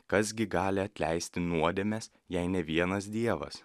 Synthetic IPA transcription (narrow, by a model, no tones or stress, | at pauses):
kɐsɡʲɪɡɑːlʲɪɐt̪ʲlʲɛɪsʲt̪ʲɪnuɔd̪ʲɛmʲɛs | jɛɪnʲɛʋʲiɛnɐsd̪ʲiɛʋɐ̰s